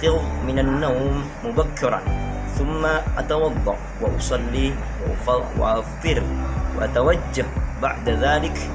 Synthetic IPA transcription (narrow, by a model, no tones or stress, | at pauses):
qɪwmɪnanːawmːʊbakːɪɾˤɑ̰ | θʊmːaʔat̪ɑwɑd̪ˤːɑ̰ʔ | wɪʔɑ̰sˤɑlːi | ww̰ʔaftːɪɾwɪ̰ʔat̪awad͡ʒːahba̰ʕd̪aðaːlɪk